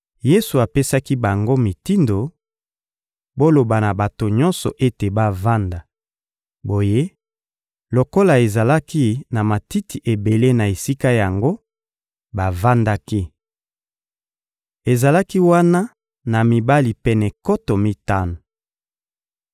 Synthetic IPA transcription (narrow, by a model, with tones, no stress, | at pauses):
je˦su˨a˨pe˦sa˦ki˦ba˨ŋɡo˦mi˨ti˦ndo˨ | bo˦lo˨ba˨na˨ba˨to˨ɲɔ̃˦nsɔ̰˨ʔe˦te˨ba˦va˦nda˨ | bo˨je˦ | lo˨ko˦la˨e˨za˨la˦ki˦na˨ma˨ti˦ti˨ʔe˨be˨le˦na˨e˨si˦ka˦ja˨ŋɡo˦ | ba˨va˦nda˦ki˦ | e˨za˨la˦ki˦wa˦na˦ | na˨mi˨ba˦li˨pɛ˦nɛ˨ko˦to˨mi˦ta˦no˨